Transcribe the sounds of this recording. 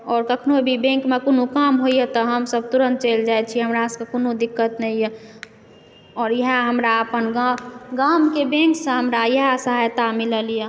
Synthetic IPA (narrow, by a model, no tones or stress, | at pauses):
ɔːɾkəkʰnobʱibẽŋkmekoːnukamɦoijet̪ɔɦəmsəb̚t̪uɾənt̪̚t͡ʃeld͡ʒaːjt͡ʃʰiɦəmɾaskekonod̪ɪkːət̪nəijə | ɔːɾjəɦəɦəmɾaəpənɡaɡamkebẽŋksə̃ɦəmɾajəɦsəɦajt̪amiləlije